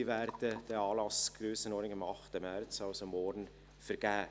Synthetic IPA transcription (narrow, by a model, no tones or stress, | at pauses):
væɾdəd̥əɑːlɑsɡ̥ɾøːsənɔːɾdɪŋɑmɑχtəmɛɾt͡sɑlsomɔɾn̩ | fəɾɡ̥æː